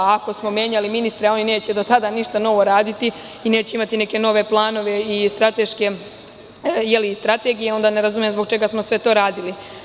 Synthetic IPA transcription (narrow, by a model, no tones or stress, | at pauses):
ako̞smo̞mje̞ːɲaliminist̪ɾeao̞nineːt͡ɕe̞d̪o̞t̪ad̪aniʃt̪ano̞ʋo̞ɾaːd̪it̪i | ine̞ːt͡ɕeimat̪ine̞ke̞no̞ʋe̞plˠaːno̞ʋe̞ist̪ɾat̪e̞ʃke̞ | jeliːst̪ɾat̪e̞ɡijeo̞nd̪aneɾazumjezbok̚t͡ʃe̞ɡasmo̞sʋe̞t̪o̞ːɾaːd̪ili